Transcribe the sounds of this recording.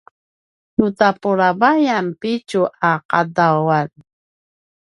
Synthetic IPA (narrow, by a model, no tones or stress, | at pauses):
nutapuɾavajampit͡ʃuʔaqadawan